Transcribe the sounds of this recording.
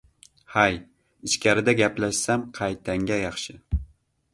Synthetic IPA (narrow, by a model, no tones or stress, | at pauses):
haj | ɪʃkʲʰaɾɪd̪aɡʲaplaʃsamqʰɑjt̪ʰaŋɡʲajɑχʃɪ